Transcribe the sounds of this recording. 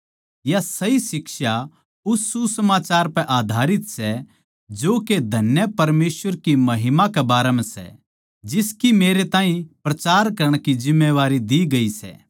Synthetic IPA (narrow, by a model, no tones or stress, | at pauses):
jasɐisɪkʃa | ʊsːusɐmaːt͡ʃaːɾpɛ̃ʔaːd̪ʱaːɾɪt̪sɛ | d͡ʒoːked̪ʱɐnjəpɐɾmeːsʋəɾkimɐɦɪmakɛbaːɾɛmɛ̃sɛ̰ | d͡ʒɪskimeːɾet̪ãːɦĩpɾɐt͡ʃaːɾkɐɾəɽ̃kid͡ʒɪmːeʋaːɾid̪iɡɐisɛ̰ː